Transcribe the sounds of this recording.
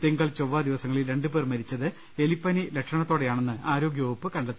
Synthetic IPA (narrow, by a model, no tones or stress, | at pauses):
t̪iŋɡɐɭt͡ɕo̞ʋːaːd̪iʋɐsɐŋːɐɭilɾe̞ɳɖɨpe̞ːrmɐɾit͡ɕːɐðɨ | e̞lipːɐnilekʂɐɳɐt̪ːo̞ːɽejaːɳenːɨaːɾo̞ːɡjɐoːpːɨkɐɳɖɐt̪ːi